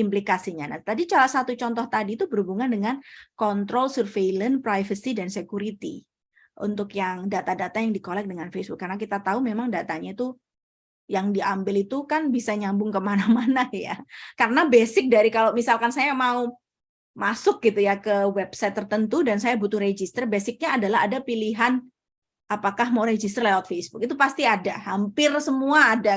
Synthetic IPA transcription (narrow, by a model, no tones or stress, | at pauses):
implikasiɲana̰t̪adit͡ʃalasat̪ut͡ʃɔnt̪ɔht̪adiːt̪ubəɾhubuŋandəŋankɔnt̪ɾɔlsərveilənpɾajvəsidansekuɾit̪ḭ | ʔṵnt̪ʊkjaŋdat̪adat̪ajaŋdikolɛk̚dəŋanfesbʊkːarənakit̪at̪aumemaŋdat̪aɲait̪u | jaŋdiambɪlit̪ukanbisaɲambʊŋkəmanamanaja̰kaɾənabesɪk̚daɾikalomisalkansajamau | masʊk̚ɡit̪ujakəwɛbsajt̪ːərt̪ənt̪udansajabut̪ʊhɾed͡ʒist̪ərbesɪk̚ɲaːdalaɦadapiliɦan | ʔapakahmauɾed͡ʒist̪ərlewat̪fesbʊk̚it̪upast̪iadahampɪrsəmuaːda